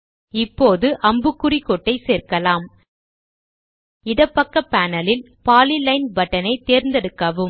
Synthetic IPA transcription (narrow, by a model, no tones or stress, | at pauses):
ɪpːoːðɯʔɐmbɯkːʊrikːɔʈːɐɪseːrkɐlaːm | ɪðɐpːɐkːɐpːaːnɐlɪl | paːlilɐɪnbɐʈːɐnɐɪt̪eːɾnd̪ɛɽɯkːɐʋɯm